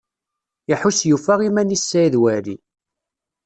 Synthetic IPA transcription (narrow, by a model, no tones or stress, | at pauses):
jɪħusjufæʁimænisːæjðwæɾḭ